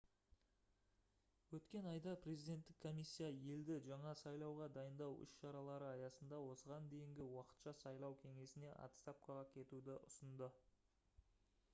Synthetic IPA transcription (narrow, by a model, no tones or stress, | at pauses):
wɵt̪kʲe̞nɑjd̪ɑpʰre̞zid̪e̞nt̪ːɪkʰːo̞misʲːijaje̞ld̪ɪʒɑɴɑsɑjlˠɑwʁɑd̪ɑjənd̪ɑwʏ̰ʃʃɑɾɑlˠɑɾəɑjɑsənd̪ɑwo̞səʁɑnd̪e̞jɪŋɡʲɪwɑqə̥t̪ʃɑsɑjlˠɑwkʲʰe̞ŋe̞sɪne̞ʔɑ̰t̪st̪ɑp̚kɑʁɑkʲʰe̞t̪ud̪ɪʔʊsənd̪ə